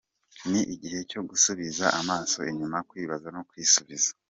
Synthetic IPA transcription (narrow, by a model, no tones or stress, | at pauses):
niʔiɟihe̞co̞ɡusuβizaʔamaːso̞̰iɲumakwiːβazano̞kwiːsuβizḁ